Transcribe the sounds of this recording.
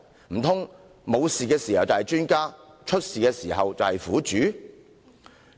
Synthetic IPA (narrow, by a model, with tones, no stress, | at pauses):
m̩˨˩t̪ʰʊ˥ŋ | mo˨˧wsiː˨kɛː˧siː˨˩hɐ˨wt͡sɐ˨hɐ˨jt͡ʃyː˥nkaː˥t͡ʃʰɵ˥t̚siː˨kɛː˧siː˨˩ɦɐ˨wt͡sɐ˨whɐ˨jfuː˨˥t͡ʃyː˨˥